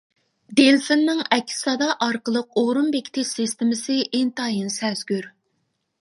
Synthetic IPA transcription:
d̪elfɪnːɪŋɛkʲʰːɪ̥sɑd̪ɑʔɑɾqəlˠəq̚oɾunbekʲʰt̪ʰɪsɪst̪ɪmɪsɨʔent̪ɑːjinsɛzɡʲyɾ

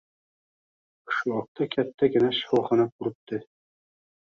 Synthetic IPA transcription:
oʃuɑq̚t̪ɑkæt̪ːæɡɘ̆næʃhɑ̆wˠχɑnɑkuɾɤ̆p̚t̪ɤ

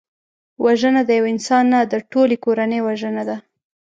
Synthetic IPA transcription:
waʒənad̪əjawɪnsɑnːad̪əʈolekoɾanəjwaʒənad̪a

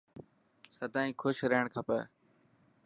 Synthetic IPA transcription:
səd̪ʱaːĩːkʰʊʃɾeːɳ̃kʰaːpəː

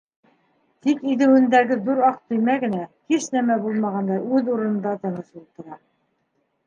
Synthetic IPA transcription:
t̪ikiðɘ̆wɘ̆nd̪æɡɘðuɾɑq̚t̪ɵ̆jmæɡɘ̆næhiʃnæmæbulˠmɑʁɑnd̪ɑɾʉðuɾɤ̆nɤ̆nd̪ɑt̪ɤ̆nɤʃulˠt̪ɤ̆ɾɑ

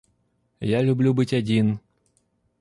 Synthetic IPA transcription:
jalʲʊblʲubɨtʲɐdʲin

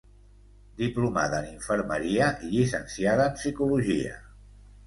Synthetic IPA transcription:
d̪ipluma̰ðəːniɱfəɾməɾiəʔiʎisə̰nsiaðəːmsikuluʒiə̰

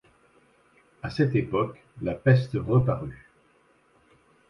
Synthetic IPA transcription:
asɛt̪epɔk | lapɛst̪ʁəpaʁy

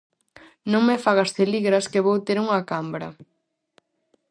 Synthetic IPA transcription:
nõŋmefaɣ̞ast̪eliɣɾɐskeβowt̪eɾuŋɐkambɾɐ̰

